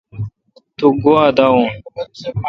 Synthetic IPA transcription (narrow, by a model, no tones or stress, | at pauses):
t̪uɡoad̪aõ